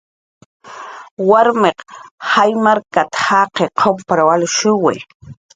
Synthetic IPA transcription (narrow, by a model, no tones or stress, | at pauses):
waɾmeqhajmaɾkat̪ḁhaqeqʰopɾawalʊʃʊwḛ